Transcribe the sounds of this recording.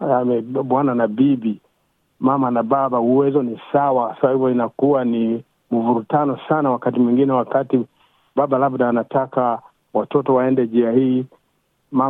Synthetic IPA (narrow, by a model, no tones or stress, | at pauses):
amɛɓwananabibi | mamanababauwɛzɔnisawakasasabhivjɔinakuwani | muvuɾutanɔsanawakatimwiŋɡinɛwakati | babalabdaːnataka | watɔtɔwaɛndɛʄiahiː | ma